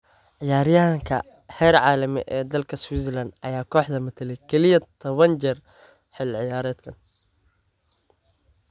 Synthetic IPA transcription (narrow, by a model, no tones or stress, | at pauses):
ʕɪjaːɾɪjaŋkʰɐ̰ | hɛːɾʕɑːlɐmɪ̰ʔɛːd̪ɐlkʰɐswisɛlɐnd̪ʔɐ̰jaːkʰɔːħd̪ɐmɐt̪ʰɐlɛjkʰɛlɪjɐt̪ʰɔβɐnt͡ʃɛr | ħɪlʕɪjaːɾɛːd̪kʰɐn